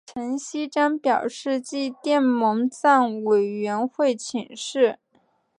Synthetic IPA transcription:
ʈ͡ʂʰə˧˥ŋɕi˥ʈ͡ʂa˥npjɑ˨˩ʊʂɻ̩˥˧t͡ɕi˥˧t̪jɛ˥˩nmɤ˧˥ŋt͡sa˥˩nwe˨˩ɪɥɛ˧˥nxwe˥˩ɪt͡ɕʰi˨˩ŋʂɻ̩˥˩

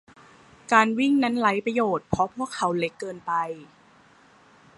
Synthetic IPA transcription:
kaː˧nwi˥˩ŋna˦˥nla˦˥jpɾa˧joː˨˩t̪̚pʰɔ˦˥pʰu˥˩əkʰːa˦˥wle˦˥kːɤː˧npa˧j

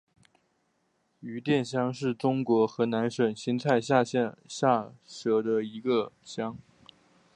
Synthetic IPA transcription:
y˧˥t̪jɛ˥˩nɕjɑ˥ŋʂɻ̩˥˩ʈ͡ʂʊ˥ŋkwɔ˧˥xɤ˧˥na˧˥nʂə˨˩nɕi˥nt͡sʰa˥˧ɪɕa˥˧ɕja˥˩ʂɤ˧˥d̪ə˧i˧˥ɡə˧ɕjɑ˥ŋ

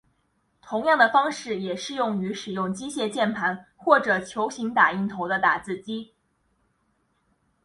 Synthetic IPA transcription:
t̪ʰʊ˧˥ŋjɑ˥˩ŋd̪ə˩fɑ˥ŋʂɻ̩˥˩jɛ˨˩ʂɻ̩˥˧jʊ˥˩ŋy˧˥ʂɻ̩˨˩jʊ˥˩ŋt͡ɕi˥ɕjɛ˥˧t͡ɕjɛ˥˩npʰa˧˥nxwɔ˥˩ʈ͡ʂɤ˨˩t͡ɕʰjo˧˥ʊɕi˧˥ŋt̪a˨˩i˥˩nt̪ʰo˧˥ʊd̪ə˧t̪a˨˩t͡sɹ̩˥˩t͡ɕi˥

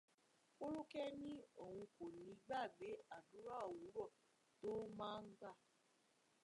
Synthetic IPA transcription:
o˦ɾu˦kɛ˦nĩ˦o˨ŋũ˧ko˨nĩ˨˦ɡ͡ba˦˨ɡ͡be˨˦a˨du˨˦ɾa˦˨wu˨˦ɾɔ˦˨ | to˦mãː˦ŋ̩˦ɡ͡ba˦˨

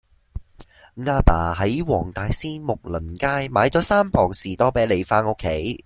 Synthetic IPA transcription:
ŋaː˧˥paː˨˩ɦɐ˨˥jwɔː˨˩ŋt̪aː˨jsiː˥mʊ˨k̚lɵ˨˩nkaː˥jmaː˨˥jt͡sɔː˨˥saː˥mpɔː˨ŋsiː˨˩t̪ɔː˥pɛː˨˥le˨˧jfaː˥no˥kʰːe˨˥j

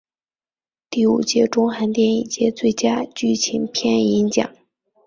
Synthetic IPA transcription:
t̪i˥˩u˨˩t͡ɕjɛ˥ʈ͡ʂʊ˥ŋxa˧˥nt̪jɛ˥˩ni˨˩t͡ɕjɛ˥t͡swe˥˩ɪt͡ɕja˥t͡ɕy˥˩t͡ɕʰi˧˥npʰjɛ˥˩ni˧˥nt͡ɕjɑ̰˨˩˦

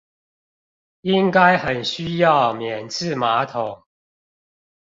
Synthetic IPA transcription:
i˦ŋka˦ɪxə˨˩nɕy˦jɑ˥˨ʊmjɛ˨˩nt͡sɹ̩˥˨ma˨˦t̪ʰʊ˨˦ŋ

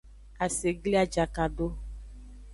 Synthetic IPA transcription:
a˨se˨ɡli˦a˦d͡ʒa˨ka˨ɖo˦

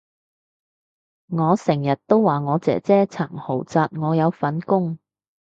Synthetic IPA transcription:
ŋɔː˨˧sɛ˨˩ŋjɐ˨t̚t̪o˥wːaː˨˩ŋɔː˨˧t͡sɛ̰ː˨˥t͡sɛː˥t͡sʰɐ˨˩ŋho˨˩wt͡saː˧t̚ŋɔː˨˧jɐ˨˧wfɐ˨˥nkʊ˥ŋ

